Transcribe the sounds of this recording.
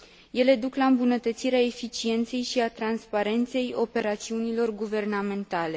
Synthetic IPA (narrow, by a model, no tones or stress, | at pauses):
je̞le̞d̪uklaɨmbunət̪ət̪siɾeae̞fit͡ʃie̞nt̪se̞jʃiat̪ɾanspaɾe̞nt̪se̞jo̞pe̞ɾat̪siunilo̞rɡuve̞rname̞nt̪ale̞